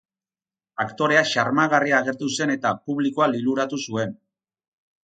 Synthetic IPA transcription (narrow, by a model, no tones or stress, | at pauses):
akt̪o̞ɾe̞aʃaɾmaɣ̞ariaːɣ̞e̞ɾt̪use̞ne̞t̪apuβliko̞aliluɾat̪usue̞n